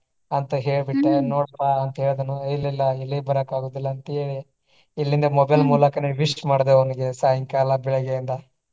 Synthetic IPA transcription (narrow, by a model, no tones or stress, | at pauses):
ɐnt̪ɐɦeːɭbiʈːenoːɽaɐnt̪ɐeːɭd̪ɐnːuilːilːɐilːibɐɾɐkaːɡuːd̪ilːɐːnt̪ːɭi | ilːind̪ɐmɔbɐjlmuːlɐkɐneʋiʂʈmaːɽd̪eɐʋɐniɡe̞saːjɐŋkaːlɐbɛɭɐɡeind̪ɐ